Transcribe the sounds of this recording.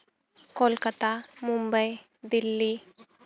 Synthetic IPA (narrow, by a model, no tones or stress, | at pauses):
kolkət̪amumbəj | d̪ilːi